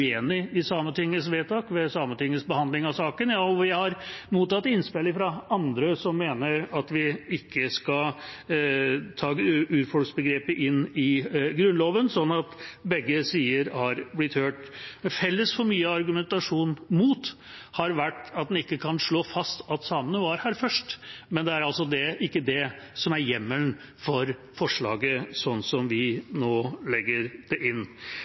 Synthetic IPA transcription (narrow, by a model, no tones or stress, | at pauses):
eːnɪɪsɑːmət̪ʰɪŋːəsʋeːt̪ʰɑːkʋɛsɑːmənt̪ʰɪŋːəsbəhɑnd̪lɪŋɑsɑːkənjɑːɔʋjæɪhɑɾmuːt̪ɑt̪ːɪnspɪləfɾɑʔɑnd̪ɾəsɔmːeːnəɾɑt̪ʋɪɪkʰːəskɑl | t̪ʰɑːʉːɾfɔɭksbəɡɾeːpəʔɪnːɪɡɾʉnloːʋənsɔnːɑt̪bɛɡːəsiːəɾhɑɾblɪt̪høːʈmɛfɛlːəsfɔɾmyːəɑɾɡʉmɛnt̪ɑʂuːnmuːt̪ | hɑɾʋæʈːɑt̪d̪ɛnɪkːəkʰɑnʂɭoːfɑst̪ʰɑt̪sɑːmənəʋɑɾhæːɾfœʂʈmɛnd̪ɛæɾɑlsɔd̪ɛʔɪkːəd̪ɛ | sɔmæɾjɛmːəln | fɔɾ | fɔʂɭɑ̰ːɡəsɔnːsɔmʋɪnoːlɛɡːəɾd̪̥ɛʔɪnː